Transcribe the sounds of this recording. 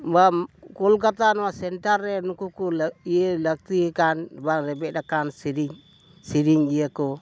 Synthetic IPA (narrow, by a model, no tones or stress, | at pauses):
bakulk̬atanwasentaɾenukukulelak̚tikanbaɾebedakansiɾiŋ | siɾiŋjeko